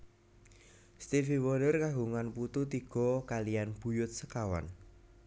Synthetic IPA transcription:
st̪ifiwɔlərkaɦuŋanput̪ut̪iɡ̥ɔ̤kalijanb̥ṳjʊt̪̚səkawa̰n

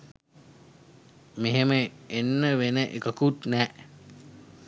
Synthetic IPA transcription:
meɦeməenːəʋenəʔekəkut̪nɛːʔ

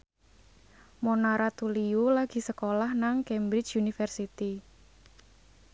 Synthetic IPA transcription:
monaɾat̪uliulaɡ̥i̤səkolahnaŋkɛmbɾɪt͡ʃjunifərsit̪i

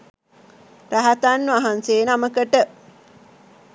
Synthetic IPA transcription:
ræɦat̪anːuaɦanseːnaməkəʈə

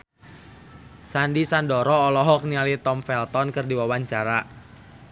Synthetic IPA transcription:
sandisandɔɾɔːlɔɦɔk̚nialit̪ɔmfɛlt̪ɔnkɨrdiwawaɲt͡ʃaɾa

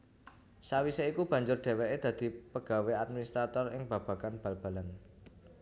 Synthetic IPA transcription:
sawiseikub̥ä̤ɲd͡ʒʊrɖ̥e̤weʔed̪̥ä̤d̪̥i̤pəɡ̥a̤wead̪̚minist̪ɾat̪ɔrɪŋb̥ä̤b̥a̤kanb̥a̤lb̥a̤lan

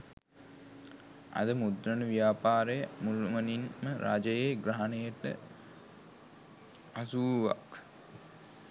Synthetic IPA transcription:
ɐ̰d̪əmud̪ɾənəʋijaːpaːɾejəmulumɐninməɾa̰d͡ʒɐjeɡɾaɦanejəʈə̰ | asuːʋa̰k

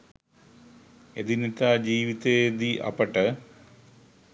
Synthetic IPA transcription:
ed̪init̪ːad͡ʑiːʋit̪ed̪iʔɐ̰pːɐʈːɐ

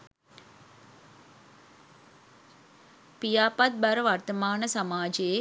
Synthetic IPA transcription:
pijaːpat̪̚baɾəʋart̪əmaːnəsamaːd͡ʒeje

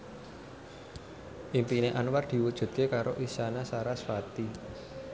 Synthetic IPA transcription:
ʔimpineʔanward̪̥i̤wud̥ʒ̥ṳt̪̚kekaɾoʔisanasaɾasfat̪i

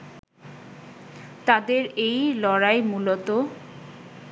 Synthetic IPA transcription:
t̪ad̪eɾejlɔɾaemulot̪o

